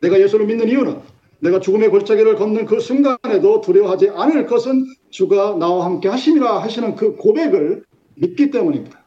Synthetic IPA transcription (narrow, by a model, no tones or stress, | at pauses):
ne̞ɡaje̞sʰuɾominːɯniunɯnː | e̞ɡat͡ɕuɡɯme̞koɭt͡ɕ͈aɡiɾɯɭkʌmnɯnkɯsʰuŋɡane̞dotuɾjʌɦad͡ʑiʔanɯɭk͈ʌsʰɯn | t͡ɕuɡanawahamk͈e̞haɕʰiɲiɾaɦaɕʰinɯnkɯkobe̞ɡɯɭ | mit̚k͈it͈e̞muɲimid̥a